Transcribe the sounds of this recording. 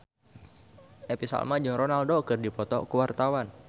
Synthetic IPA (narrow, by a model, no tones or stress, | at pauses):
episa̰lmad͡ʒɨŋɾɔnaldokɨrdipɔt̪ɔ̰kəwart̪awan